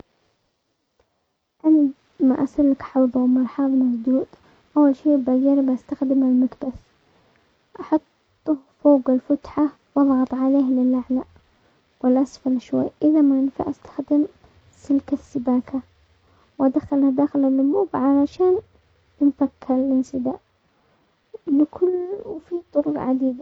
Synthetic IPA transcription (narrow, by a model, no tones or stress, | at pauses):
ʔana | ma̰ʔasalːakħawbawmɑɾħɑːðˤmazˤd̪uːd̪ | ʔawːalʃiːʔbad͡ʒaɾɪbʔast̪axd̪ɪmalmak̪baθ | ʔɑħɑt̪ˤːʊfoːɡalfʊt̪ħa | wʔɑðˤɣɑt̪ˤʕaleːhlɪlʔaʕla | wɪlʔasfalʃwa̰jːʔɪðamanfa̰ʔast̪ḁxd̪ɪm | sɪlkasːɪbaːkʰa | wʔad̪axːalhad̪aːxɪlɪlːʊmuːbʕalaʃaːn | ɪnfakʰːalɪnsɪd̪aʔ | lɪkʰʊlːwfit̪ˤːʊɾʊqʕa̰d̪iːd̪a